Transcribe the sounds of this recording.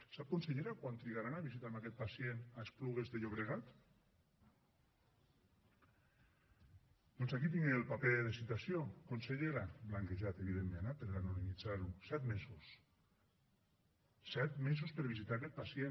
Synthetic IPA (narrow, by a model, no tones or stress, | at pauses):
sap̚kunseʎeɾakwant̪ɾiɣaɾanaβizit̪amakɛt̪̚pasjenaespluɣezðeʎoβ̞ɾeɣat̪ | d̪ɔnzakit̪̬iŋɡeelˠpapeðesit̪asjokonseʎeɾablaŋkeʒat̪eβ̞iðemːenapeɾɣanunimid͡zaɾusɛt̪mezus | sɛt̪mezuspəɾβizit̪aakɛt̪̚pasie